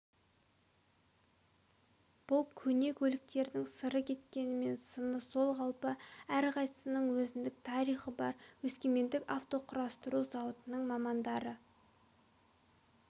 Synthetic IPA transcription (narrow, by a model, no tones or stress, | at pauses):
b̥ʊlˠkʲʰɵne̞kʲʰɵlɪk̚t̪e̞ɾd̪ɪŋsəɾəkʲʰe̞t̪kʲe̞nɪme̞nsənəso̞lˠʁɑlˠpəæɾqʰɑjsə̥sənəɴwɵzɪnd̪ɪk̚t̪ʰɑɾijχəbɑɾwɵskʲeme̞nd̪ɪkɑft̪o̞qʰʊɾɑst̪əɾuzɑwət̪ənəɴmɑmɑnd̪ɑɾə